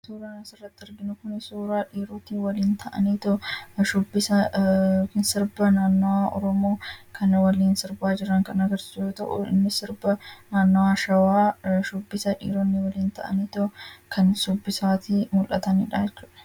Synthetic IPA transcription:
suːɾaːnɐsɪrːɐt̪ːɪɪɾɡɪnʊkʊnɪsuːɾaːᶑiːɾot̪iːwɐliːnt̪ʰɐʔɐ̰niːt̪ɐʃʊbːɪsɐ | nsɪɾbɐnaːnːɔwaʔɔ̰ɾɔmoːkʰɐnwɐliːnsɪɾbaːd͡ʒɪɾɐŋkɐnɐɡɐɾsɪsjoːt̪ɐ̰ʔʊ̰ɪ̰nːɪsɪɾbɐnaːnːɔwaːʃɐwaːʃʊbːɪsɐᶑḭːɾɔnːɪwɐliːnt̪ɐʔɐ̰niːt̪ɔkʰɐnsʊbːɪsaːt̪imʊlʔɐt̪ɐniːᶑaːjɛt͡ʃːuːᶑɐ̥

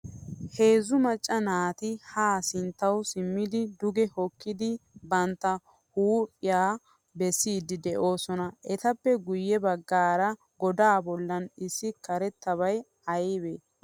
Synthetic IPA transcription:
he̞ːzʊmɐt͡ʃʼːɐnaːt̪ɪhaːsɪnt̪ːɐwsɪmːɪd̪ɪd̪ʊɡɛhɔkːɪd̪ɪbɐnt̪ːɐ | huːpʼːɪjaː | bɛsːiːd̪ɪd̪ɛʔo̞ːsɔnɐʔɛt̪ɐpːɛɡʊjːɛbɐɡːaːɾɐ | ɡɔd̪aːbɔlːɐnɪsːɪkɐɾɛt̪ːɐβɐj | ɐjbe

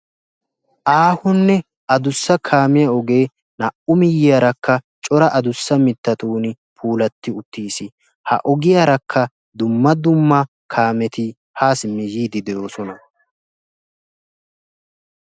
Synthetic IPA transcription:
ʔaːhʊnːɛ | ʔɐd̪ʊsːɐkʰaːmɪjɐɔɡe̞ː | nɐʔʊmɪjːɪjaːɾɐkːɐ | t͡ʃʼɔɾɐʔɐd̪ʊsːɐmɪt̪ːɐt̪uːn | pʰuːlɐt̪ːɪʊt̪ːiːsɪ | hɐ̰ʔɔɡɪjaɾɐkʰːɐ | d̪ʊmːɐd̪ʊmːɐ | kʰaːmɛt̪ɪ | haːsmɪjiːd̪ɪd̪ɛjo̞ːsɔnɐ

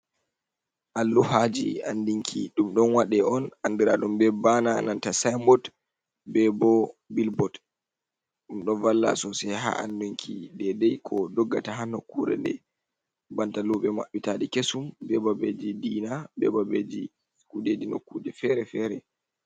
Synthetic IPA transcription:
ʔalːuhad͡ʒḭa̰ndiŋkʰiɗumɗɔnwaɗɛɔnandiɾa̰ɗumbɛbananantasajmbɔt | bɛbɔbilbɔt | ɗumɗɔnvalːa̰sɔsɛjɦa̰ʔa̰ndiŋkʰidɛdɛjkʰɔdɔɡːataɦanːɔkuɾɛ̰ɗɛ̰ | bantaluɓɛma̰ɓːitaɗikesumbɛbabed͡ʒidiːnabɛ̰babed͡ʒi | kuded͡ʒinokːud͡ʒɛfɛɾɛfɛɾɛ

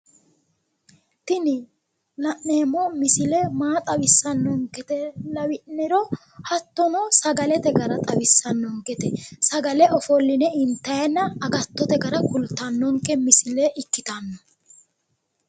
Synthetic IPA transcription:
t̪ɪnɪ | nɐʔneːmːɔmɪsɪlɛmaːt̪ʼɐwɪsːɐnːɔŋkɛt̪ɛlɐwɪʔnɛɾɔ | hɐt̪ːɔnɔsɐɡɐlɛt̪ɛɡɐɾɐt̪ʼɐwɪsːɐnːɔŋkɛt̪ɛsɐɡɐlɛɔfɔlːɪnɛɪnt̪ːɐjɐnːɐːɡɐt̪ːɔt̪ɛɡɐɾɐkʊlt̪ːɐnːɔŋkːɛmɪsɪlɛʔɪkːɪt̪ɐnːɔ

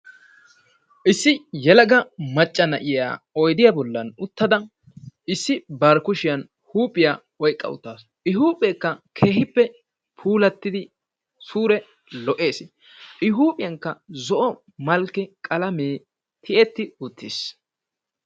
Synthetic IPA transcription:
ʔɪsːɪjɛlɐɡɐmɐt͡ʃʼːɐnɐʔɪja̰ː | ɔjd̪ɪjabɔlːɐnʊt̪ːɐd̪ɐ | ɪsːɪbɐɾkʊʃɪjɐn | huːpʼːɪjaː | ɔjkʼːɐ̰ʊ̰t̪ːaːs | ʔɪɦuːpʼeːkːɐkʰe̞ːhɪpːɛ | pʰuːlɐt̪ːɪd̪ɪ | suːɾɛ | lɔʔe̞ːs | ʔɪɦuːpʼɪjɐŋkːɐzɔʔɔ | mɐlkːɛkʼɐlɐmeː | t̪ʰɪʔɛt̪ːɪʊt̪ːɪs

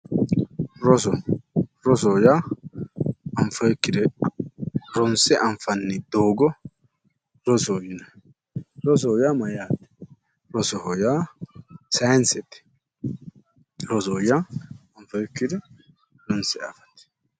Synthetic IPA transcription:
ɾɔsɔɾɔsɔjaː | ɐɱfɐjɛkːɪd̪ɛ | ɾɔnsɛʔɐɱfɐnːɪd̪oːɡɔ | ɾɔsɔjɪnɐ | ɾɔs̬ɔjaːmɐjaːt̪ɛ̥ | ɾɔsɔhɔjaː | sɐjnsɛt̪ɛ̥ | ɾɔsɔːjaːɐɱfɐjɛkːɪd̪ɛ | ɾɔnsɛa̰ːfɐ̥t̪ɛ̥

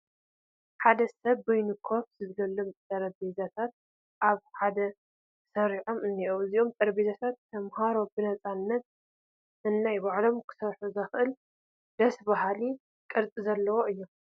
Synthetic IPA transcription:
ħad̪ɐsɐβːojnɨkʰofzɨzlɐlːomt̪ʼɐɾbezat̪ʰat̪̚ | ʔaβħad̪ɐ | sɐɾiʕo̞mɨnːiʔowɨziʔomt̪ʼɐɾbezat̪ʰat̪ʰːɐmhaɾo̞bɨnɐt͡sʼanːɐt̪̚ | ɨnːajbaʕlo̞mkʰɨ̥sɐɾħuzɐxʔɨl | d̪ɐsbahali | kʼɨɾt͡sʼizɐlːɐwoʔɨjːo

